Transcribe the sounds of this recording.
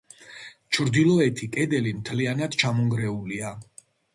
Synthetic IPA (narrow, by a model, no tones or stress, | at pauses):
t͡ʃʰɾd̪ilˠɔɛt̪ʰikʼɛd̪ɛlimt̪ʰlianad̪̥t͡ʃʰamɔŋɡɾɛulia